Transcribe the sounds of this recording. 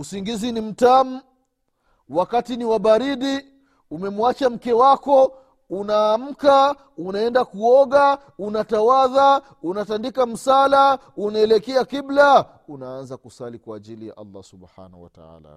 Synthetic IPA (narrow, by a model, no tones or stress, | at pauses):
usiŋɡizinim̩tamu | wakatiniwaɓaɾiɗi | umɛmuat͡ʃam̩kɛwakɔ | unaːm̩ka | unaɛndakuɔɠa | unatawaða | unatandikam̩salaunaɛlɛkɛakibla | unaanzakusalikwaːʄilija̰ʔa̰lːa̰subha̰na̰wa̰ta̰a̰la̰